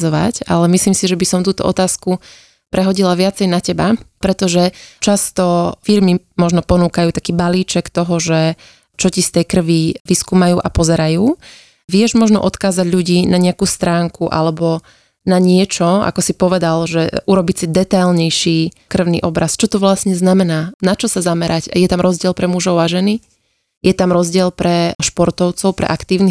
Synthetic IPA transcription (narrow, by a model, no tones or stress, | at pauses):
zɔʋa̰ca̰lɛmisliːmsiʒɛbisɔmt̪uːt̪ɔ̰ʔɔ̰t̪aːsku | pɾʔɛɦɔɟilaʋɪat͡sɛjnacɛbapɾɛt̪ɔʒɛt͡ʃast̪ɔfiɾmimɔʒnɔpɔnuːkajuːt̪akiːbaliːt͡ʃɛkt̪ɔɦɔʒɛ | t͡ʃɔcist̪ɛjkr̩ʋiʋiskuːmajuːʔapɔzɛɾajuː | ʋɪɛʒmɔʒnɔ̰ʔɔt̪kaːzaɟʎuɟiːnaɲɛakuːst̪ɾaːŋkuʔa̰lɛbɔ | naɲɪɛt͡ʃɔa̰kɔsipɔʋɛd̪alʒɛuɾɔbicsid̪ɛt̪ajlɲɛjʃiː | kr̩ʊnḭʔɔbɾast͡ʃɔt̪ɔʋlasɲɛznamɛnaːnat͡ʃɔsazamɛɾʔaɟjɛt̪amɾɔzɟɪɛlpɾɛmuʒɔʊaʒɛni | jɛt̪amɾɔzɟɪɛlpɾɛʃpɔɾt̪ɔʊt͡sɔʊpɾɛ̰ʔakt̪iːʊni